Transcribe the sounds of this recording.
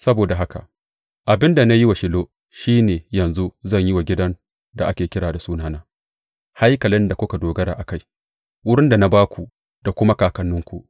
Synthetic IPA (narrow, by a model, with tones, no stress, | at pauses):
sɐ˦boː˨da˨ɦa˦ka̰˨ | ʔa˨bɪ˦nda˨na˦ji˦wa˨ʃɪ˨˦loː˦ | ʃiː˦neː˨jɐ˨nzu˦zɐ˦˨ɲjɪ˦wa˨ɡʲɪ˦dɐ˦n | da˨ʔa˦kʲeː˨kʲɪ˦ɽaː˨da˨suː˦naː˦naː˦ | ha˦jkɐ˨lɪ˦nda˨kʷʊ˦ka˨doː˨ɡɐ˦ɾaː˨ʔa˨ka˦j | wʊ˦ɽɪ˦nda˨na˦baː˦kʷu˨ | d̥a˨kʷʊ˦ma˦kaː˨kɐ˦nːʊ˦ŋkʷu˨ʔ